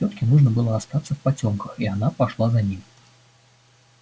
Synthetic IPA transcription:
sʲɔt̪̚kʲinuʐnɐbɨlˠɔast̪at̪sːɐfpat͡sʲɔmkəxianapaʂlˠazanʲim

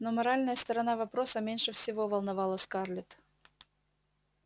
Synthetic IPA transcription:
nomɐɾalʲnəjəst̪ɐɾɐnavɐpɾosəmʲenʲʂɨfsʲɪvovɐlˠnɐvɑlˠəsʲkarlʲɪt̪

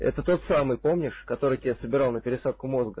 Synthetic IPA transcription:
ɛ̰t̪ət̪o̞t̪samɨjpo̞mnʲɪʂkɐt̪o̞ɾɨjt̪ʲɪasəbʲɪɾalˠnəpʲɪɾʲɪsat̪̚kʊmo̞zɡə

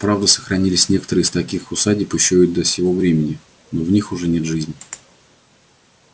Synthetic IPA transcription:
pɾavd̪əsə̥xɾɐnʲilʲɪsʲnʲe̞kə̥t̪əɾɨːst̪ɐkʲixʊsadʲɪpəɕːojʊd̪əfsʲɪvo̞vɾʲemʲɪnʲɪ | novnʲixʊʐɛnʲet̪ʐɨzʲnʲ

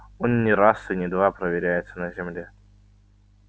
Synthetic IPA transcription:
o̞nnʲɪɾasɨnʲɪd̪vapɾəvʲɪɾʲæjɪt̪sənəzʲɪmlʲe

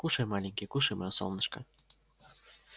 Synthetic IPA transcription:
kuʃemɑlʲiŋkekuʃemʔɑosɑ̰lˠnɤ̆ʃkɑ̰

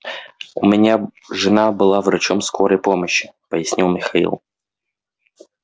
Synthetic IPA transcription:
ʊmʲɪnʲaʐɨnabɨlˠavɾɐt͡ɕomskʰoɾəjpoməɕːɪ̥pəjɪsʲnʲilˠmʲɪxɐḭlˠ

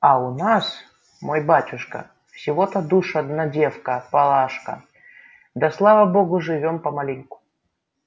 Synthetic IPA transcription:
ɐʊnas | mojbatʲʊʂkə̰ | fsʲɪvot̪əd̪uʂɐd̪nɐdʲefkəpɐlˠaʂkə̰ | d̪ɐslˠavəboɡʊʐɨvʲompɐmɐlʲinʲkʊ̥

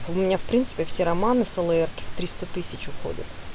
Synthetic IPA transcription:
ʊmʲɪnʲafpɾʲinsɨ̥pʲɪfsʲeɾɐmanɨsəlˠəɛrkʲɪ̥ft̪ɾʲist̪ət̪ɨsʲɪt͡ɕʊxo̰dʲə̰t̪

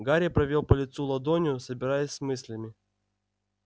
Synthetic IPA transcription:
ɡaɾʲɪjəpɾɐvʲolˠpəlʲɪt̪sulˠɐd̪onʲɪjʊsəbʲɪɾajəsʲsmɨsʲlʲɪmʲɪ

